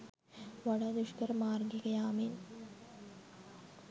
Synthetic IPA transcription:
ʋɐɽɐd̪uʂkɐɾmaːrɡikɐjaːmiːn

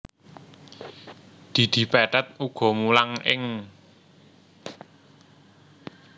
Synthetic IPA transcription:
d̪̥i̤d̪̥i̤pɛɖat̪̚uɡ̥ɔ̤mulaŋʔɪŋ

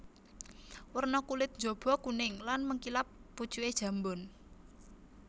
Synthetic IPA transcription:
wərnɔkulɪt̪̚nd͡ʒob̥ɔ̤kunɪŋlanməŋkilapːu̥t͡ʃued̥ʒ̥a̤mbʊn

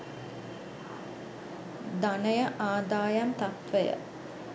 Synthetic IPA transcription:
d̪anəjəʔaːd̪aːjant̪at̪ʋəjə̰

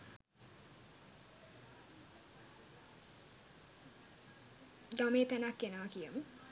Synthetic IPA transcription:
d̪ɔmet̪ɛnakːenəʋakijəmu

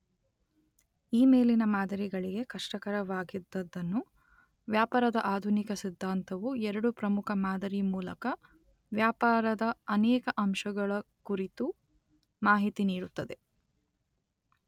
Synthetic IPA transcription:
iːme̞ːlinɐmaːd̪ʱɐɾiɡɐɭiɡe̞kɐʂʈɐkɐɾɐʋaːɡid̪ːɐd̪ːɐnːu | ʋjaːpaːɾɐd̪ɐʔaːd̪ʱunikɐsid̪ʱːaːnt̪ɐʋuɛɾɐɽupɾɐmukʰɐmaːd̪ʱɐɾimuːlɐ̰kɐ | ʋjaːpaːɾɐd̪ɐɐnɛːkɐʔɐmʃɐɡɐɭɐkuɾit̪u | maːɦit̪iniːɽut̪ːɐd̪e̞

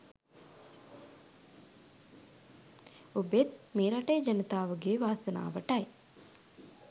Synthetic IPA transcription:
ubet̪̚meːɾaʈejːd͡ʒanət̪aːʋəɡeːʋaːsɐəna̰ːʋəʈɐj

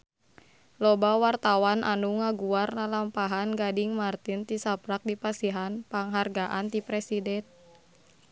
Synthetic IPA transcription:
lɔbawart̪awanʔa̰nuŋaɡuarnalampaɦanɡadiŋmart̪int̪isapɾak̚dipasiɦanpaŋɦarɡaʔant̪ipɾɛsidɛn

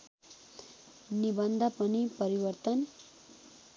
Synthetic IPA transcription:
nibʌnd̪ʱʌpʌnipʌɾiwʌrt̪ʌn

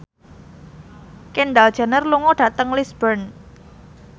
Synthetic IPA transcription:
kenɖald̥ʒ̥a̤nərluŋɔɖ̥ä̤t̪əŋlisbərn

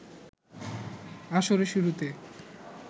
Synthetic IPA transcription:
aʃoɾeʃuɾut̪e

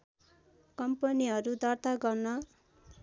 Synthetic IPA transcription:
kʌmpʌniɦʌɾud̪ʌrt̪aɡʌrnʌ

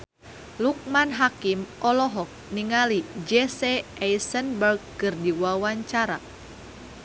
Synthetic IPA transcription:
luk̚manɦakimɔlɔɦɔk̚niŋalid͡ʒɛsɛɛjsənbərɡ̚ːɨrdiwawaɲt͡ʃaɾa

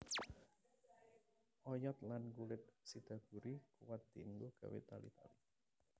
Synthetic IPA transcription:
ʔɔjɔt̪lanɡulɪt̪̚sid̪̥ä̤ɡ̥ṳɾikuwat̪̚d̪̥ind̪uɡ̥a̤wḛt̪alḭt̪a̰li

